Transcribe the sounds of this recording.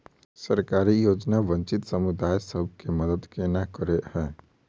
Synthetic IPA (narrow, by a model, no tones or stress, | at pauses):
səɾkaːɾijoːd͡ʒnaʋə̃ɲt͡ʃɪt̪sɐmʊd̪aːjsəbʱkeməd̪əd̪kenakəɾehɛ̃ː